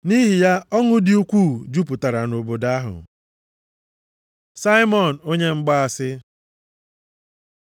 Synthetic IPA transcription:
ni˦ɦi˨ja˦ɔ˦ŋʊ˦dɪ˨u˦kʷu˦˨d͡ʒu˦pʊ˨ta˨ɾa˨no˨bo˨da˦ɦʊ̰˨ | sa˦jmɔ˨n̩˨o˦ɲe˦ŋ͡m̩˦ɡ͡ba˦a˨sɪ˦

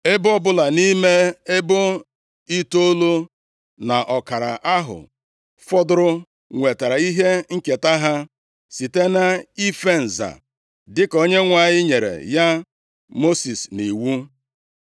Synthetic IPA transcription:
e˦bʊ˦ɔ˦bʊ˦la˨ni˦me˦e˦bʊ˦ | i˦to˦lo˦ | na˨ʔɔ˨ka˨ɾa̰˨ʔa˦ɦʊ̰˨ | fɔ˦dʊ˦ɾʊ˦ | ŋʷe˨ta˨ɾa˨i˦ɦe˦ŋ̩˦ke˨ta˦ɦa˦ | si˨te˦na˦i˦fe˦n̩˨za̰˨ | dɪ˦ko˦ɲe˦ŋʷa˨ɲɪ˦ɲe˨ɾḛ˨ja˦ | mo˦si˨sni˨wu˦

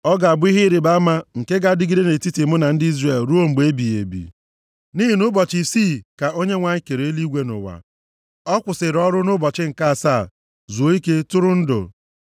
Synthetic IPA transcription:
ɔ˦ɡa˨a˨bʊ˦i˦ɦɪ˦ɾi˨ba˦ma˦ŋ̩˨ke˦ɡa˦dɪ˦ɡi˦de˦ne˨ti˦tɪ˨mʊ˦na˨n̩˦dɪ˦i˦zre˦˨lɾu˦o˦ŋ͡m̩˨ɡ͡be˦bi˨ḛ˨bḭ˨ | ni˦ɦi˨nʊ˦bɔ˨t͡ʃi˨si˦˨ka˨ʔo˦ɲe˦ŋʷa˨ɲ˦ke˨ɾe˨e˦li˦ɡʷe˦nʊ̰˨wa̰˨ | ɔ˦kʷʊ˨sɪ˨ɾɔ˦ɾʊ˦nʊ˦bɔ˨t͡ʃɪ˦ŋ̩˨ka˦a˨sa˦˨ | zu˨o˦i˦ke˦tʊ˦ɾʊ˦n̩˦dʊ̰˨

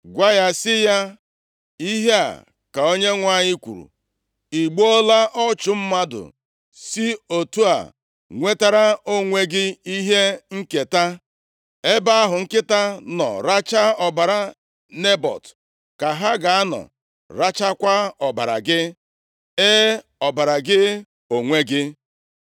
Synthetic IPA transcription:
ɡʷa˦ja˦sɪ˦ja˦ | i˦ɦe˦a̰˨ | ka˨o˦ɲe˦ŋʷa˦˨ɲɪ˦kʷṵ˨ɾṵ˨ | i˨ɡ͡bo˦o˦la˦ʔɔ˦t͡ʃʊ˨m̩˦ma˦dʊ̰˨ | si˦o˨tu˦a̰˨ | ŋʷe˦ta˦ɾa˦o˦ŋʷe˦ɡɪ˦i˦ɦe˦ŋ̩˦ke˨ta˦ | e˦ba˦a˦ɦʊ˨ŋ̩˦kɪ˦ta˦nɔ̰˨ɾa˦t͡ʃa˦ɔ˨ba˨ɾa˨ | ne˦bɔ̰˨t | ka˨ɦa˦ɡa˨a˦nɔ̰˨ | ɾa˦t͡ʃa˦kʷa˦ɔ˨ba̰˨ɾa̰˨ɡɪ˦ | e˦ | ɔ˨ba˨ɾa˨ɡɪ˦ | o˨ŋʷe˦ɡɪ˦

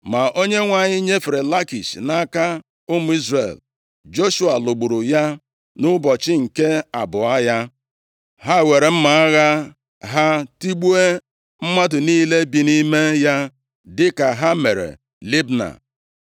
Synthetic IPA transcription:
ma˨ʔo˦ɲe˦ŋʷa˨ɲɪ˦ɲe˦fɾe˨la˦ki˨sna˦ka˦ | ʊ˦mu˦i˦zrḛ˨l | d͡ʒo˦ʃu˦a˨lo˨ɡ͡bu˨ɾu˨ja˦ | nʊ˦bɔ˨t͡ʃɪ˦ŋ̩˨ke˦a˨bʊ˨a˦ja˦ | ɦa˦˨we˨ɾe˨m̩˦ma˨a˦ɣa˦ | ɦa˦ti˦ɡ͡bu˦e˦ | m̩˦ma˦dʊ˨niː˦le˦bi˨ni˦me˦ja˦ | dɪ˦ka˨ɦa˦me˨ɾḛ˨ | li˦bna̰˨

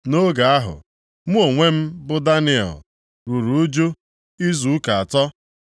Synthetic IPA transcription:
no˦ɡa˨a˦ɦʊ̰˨ | mu˦o˨ŋʷe˦m̩˦bʊ˦da˦nɪ˦ɔ̰˨l | ɾu˨ɾu˨˦d͡ʒo˦ | i˦zu˨˦ka˨a˨tɔ˦

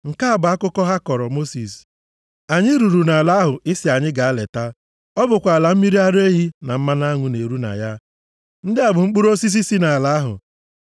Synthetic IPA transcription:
ŋ̩˨ka˦a˦˨bʊ˨a˦kʊ˦kɔ˦ɦa˦kɔ˨ɾɔ˨mo˦si˨s | a˨ɲɪ˦ɾu˨ɾu˨na˨la˦ɦʊ˨ɪ˦sɪ˨a˨ɲɪ˦ɡa˨a˦lḛ˨ta˦ | ɔ˦bʊ˨kʷa˨a˨la˨m̩˦mi˦ɾi˦a˦ɾe˦ɦi˦na˨m̩˦ma˦na˦ŋʷʊ˨ne˨ɾu˦na̰˨ja˦ | n̩˦dɪ˦a˨bʊ˨ŋ͡m̩˦k͡pu˦ɾo˦si˦s̬i˦si˦na˨a˨la˦ɦʊ̰˨

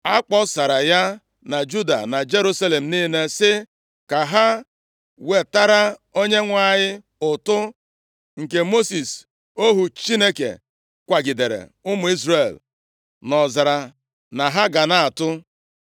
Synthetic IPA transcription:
a˦k͡pɔ˦sa˨ɾa˨ja˦ | na˨d͡ʒu˦da̰˨na˨d͡ʒe˦ɾu˦sa˦le˨m̩˨niː˦ne˦sɪ˦ | ka˨ɦa˦ | we˨ta˦ɾa˦o˦ɲe˦ŋʷa˦˨ɲɪ˦ | ʊ˨tʊ˦ | ŋ̩˨ke˨mo˦si˨s | o˦ɦu˨t͡ʃi˦ne˦kḛ˨ | kʷa˨ɡɪ˨de˨ɾḛ˨ʊ˦mʊ˨i˦zɾe˨l | nɔ˨za˨ɾa˨ | na˨ɦa˦ɡa˨na˦a˨tʊ˦

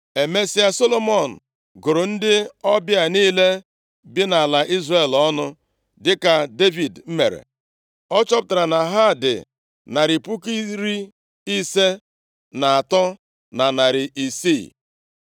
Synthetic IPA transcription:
e˨me˦si˦a˦so˦lo˦mɔ˦˨n̩˨ | ɡʊ˨ɾʊ˨n̩˦dɪ˦ɔ˦bja˨niː˦le˦ | bɪ˦na˨a˨la˨ʔi˦zre˦˨lɔ˦nʊ˦ | dɪ˦ka˨de˦vi˨dm̩˦me˨ɾḛ˨ | ɔ˦t͡ʃɔ˦pʊ˦˨ta˨ɾa˨na˨ɦa˦˨dɪ̰˨ | na˨ɾi˨pu˦ki˦ɾi˦ | i˦se˦ | na˨a˨tɔ˦ | na˨na˨ɾɪ˨ʔi˨si˦˨

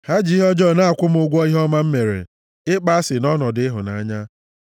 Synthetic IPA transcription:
ha˦d͡ʒɦɔ˦d͡ʒɔ˦˨na˦a˨kʷʊ˦m˦ʊ˦ɡʷɔ˦i˦ɦɔ˦ma˦m̩˦me˨ɾḛ˨ | ɪ˦k͡pa˦a˦sɪ˨nɔ˦nɔ˨dɪ˦ɪ˦ɦʊ˨na̰˨˦ɲa˦

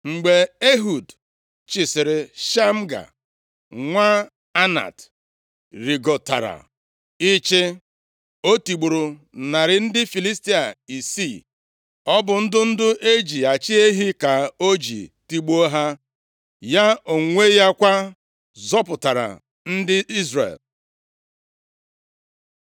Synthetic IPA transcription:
ŋ͡m̩˨ɡ͡be˨e˦ɦu˨d | t͡ʃɪ˨sɪ˨ɾɪ˨ʃa˦m̩˦ɡa̰˨ | ŋʷa˦ | a˦na̰˨t | ɾi˨ɡo˨ta̰˨ɾa̰˨ | i˦t͡ʃe˦ | o˦ti˨ɡ͡bu˨ɾʊ˨ | na˨ɾɪ˨n̩˦dɪ˦fi˨li˦sti˦a˨i˨si˦˨ | ɔ˦bʊ˨n̩˦dʊ˦n̩˦dʊ˦ʔe˦d͡ʒi˨a˨t͡ʃi˦e˦ɦi˦ka˨o˦d͡ʒḭ˨ti˦ɡ͡bo˦ɦa˦ | ja˦o˨ŋʷe˦ja˦kʷa˦ | zɔ˦pʊ˨ta˨ɾa̰˨ | n̩˦dɪ˦i˦zrḛ˨l

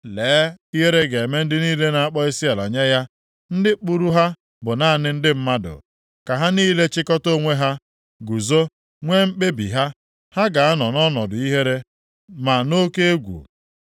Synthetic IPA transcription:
leː˨˦i˦ɦe˦ɾe˦ɡe˨e˨me˦n̩˦dɪ˦niː˦le˦na˨a˦k͡pɔ˦i˦si˦a˨la̰˨ɲa˦ja˦ | n̩˦dɪ˦k͡pu˦ɾu˦ɦa˦ | bʊ˨na˦a˨nɪ˦n̩˦dɪ˦m̩˦ma˦dʊ̰˨ | ka˨ɦa˦niː˦le˦t͡ʃɪ˦kɔ˦to˦ŋʷe˦ɦa˦ | ɡu˨zo˦ | ŋʷe˦m̩˦k͡pe˦bḭ˨ɦa˦ | ha˦ɡa˨a˦nɔ˨nɔ˦nɔ˨dʊ˨i˦ɦe˦ɾe˦ | ma˨no˦ke˦e˦ɡʷṵ˨

